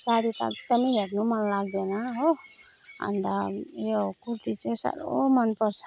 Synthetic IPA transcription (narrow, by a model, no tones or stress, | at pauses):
saɽit̪a̰k̚d̪ʌmiɦernumʌnlaɡ̚d̪enʌɦo | ɦʌ̰nd̪ajokuɾt̪it͡sesa̰ɾomʌnpʌrt͡sʰʌ̥